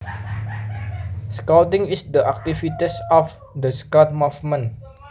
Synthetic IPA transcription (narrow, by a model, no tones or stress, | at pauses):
skatĩŋisd̪əʔak̚t̪ifit̪isɔf | d̪əskɔt̪̚mufmə̃n